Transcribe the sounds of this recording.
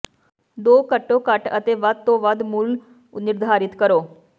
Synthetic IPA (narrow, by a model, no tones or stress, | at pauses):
d̪okəʈːokaʈə̰t̪eʋat̪ːoʋad̪muːl | niɾd̪ʱaɾit̪kəɾo